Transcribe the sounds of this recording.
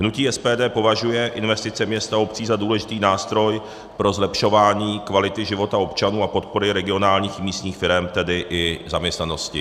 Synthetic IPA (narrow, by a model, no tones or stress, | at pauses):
ɦnuciːɛspɛːdɛːpo̞vaʒujɛʔɪnvɛst̪ɪt͡sɛmɲɛst̪ao̞p̚t͡siːzaduːlɛʒɪt̪iːnaːst̪ɾo̞j | pɾo̞zlɛpʃo̞vaːɲiːkvalɪt̪ɪʒɪvo̞t̪ao̞pt͡ʃanuːapo̞t̪̚po̞ɾɪɾɛɡɪo̞naːlɲiːxmiːst̪ɲiːxfɪɾɛmt̪ɛdɪʔɪzamɲɛst̪nano̞scɪ